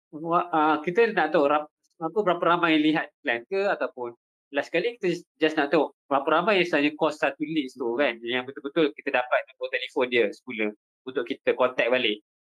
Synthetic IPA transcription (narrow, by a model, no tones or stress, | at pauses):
waʔakit̪ənaʔt̪aoʔɾa | apəbəɾapəɾamajaliɦat̪̚klant̪əat̪awpʊn | lahsə̥kaliki̥t̪əd͡ʒasnaʔt̪aoʔbəɾapəɾamajãst̪aaɲakɔsːat̪uliʔst̪ukanjaŋbət̪ʊlbət̪ʊlkit̪ədapat̪̚nabot̪ɛlifɔndiəsə̥kuləh | unt̪ʊʔkit̪əkɔnt̪ɛk̚balɪʔ